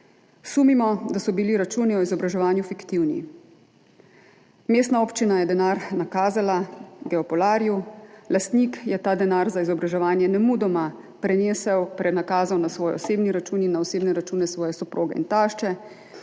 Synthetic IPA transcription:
suːmimɔd̪asɔbiliɾat͡ʃuːniɔizɔbɾaʒɛʋaːnjufikt̪iwnḭ | meːst̪naoːpt͡ʃinajɛd̪ɛnaːɾnakaːzalaɡɛɔpɔlaːɾjulast̪nikjɛt̪aːd̪ɛnaːɾzaizɔbɾaʒɛʋaːnjɛnɛmud̪ɔma | pɾɛneːsɛwpɾɛnakaːzawnasʋɔːjɔ̰seːbniɾat͡ʃuːninːaɔseːbnɛɾat͡ʃuːnɛsʋɔːjɛsɔpɾoːɡɛḭnt̪aːʃt͡ʃɛ

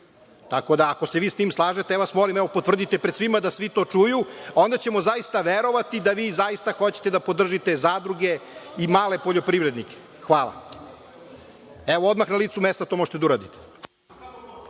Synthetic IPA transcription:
t̪ako̞d̪aːko̞se̞ʋiːst̪iːmslˠaːʒet̪eɛoasmolimɛʋo̞pot̪r̩d̪it̪epɾed̪sʋimad̪asʋit̪o̞ːt͡ʂujuao̞nd̪at͡ɕe̞mo̞zaist̪aʋeɾo̞ʋat̪id̪aʋiːzaist̪axo̞t͡ɕe̥t̪ed̪apo̞d̪r̩ʒit̪ezad̪ɾuɡe̞imaːle̞poʎo̞pɾivɾed̪nike̥ | xʋaːlˠa̰ | eʋood̪maxnaliːt̪sumest̪at̪omoʒe̥t̪ed̪auɾaːd̪it̪e̥

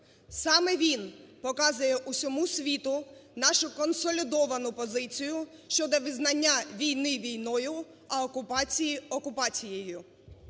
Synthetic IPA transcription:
sɑmɛʋʲinpɔkɑzʊjɛʔusʲɔmusʲʋʲit̪ʊnɑʃʊkɔnsɔlʲid̪ɔʋɐnʊpɔzɪt͡sʲijʊ | ʃt͡ʃɔd̪ɔʋɪznɐnʲːaʋʲijnɪʋʲijnɔjʊ | ɐɔkʊpɑt͡sʲijiɔkʊpɑt͡sʲijejʊ

